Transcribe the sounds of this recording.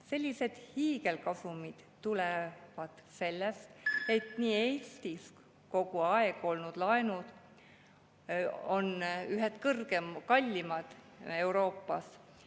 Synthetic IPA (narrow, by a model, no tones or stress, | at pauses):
se̞lʲːise̞d̪̥hiːɡe̞lkɑsumid̪̥t̪ulevɑd̪̥se̞lːest̪e̞t̪niːe̞ːst̪is | ko̞ɡ̥uɑeɡ̥o̞lnud̪̥lɑenud̪̥ | o̞nyɦet̪kɤrɡ̥emkɑlʲːimɑd̪̥ | e̞uɾo̞ːpːˑɑs